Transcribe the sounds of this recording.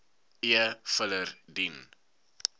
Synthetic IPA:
iəfələrdin

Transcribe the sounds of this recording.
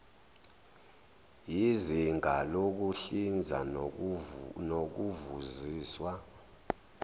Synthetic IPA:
jiziŋʱalok̬uɬind͡zʱa̰ | nok̬uvuziːswa

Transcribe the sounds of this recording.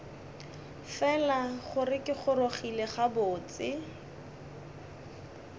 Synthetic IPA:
fɛlaχʊrɪkɪχʊroχileχabʊːt͡sɪ

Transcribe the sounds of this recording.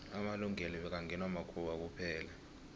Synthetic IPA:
amaluŋɛlɔɓɛk̬aŋɡʱɛnwamakʰuɓak̬upʰɛːla

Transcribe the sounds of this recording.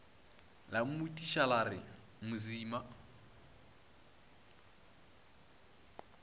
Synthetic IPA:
lam̩mutʼiʃalarɪ | mʊziːma

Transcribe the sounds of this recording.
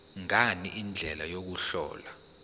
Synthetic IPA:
ŋaniʔind͡ɮʱɛlajok̬uɬɔ̰ːla

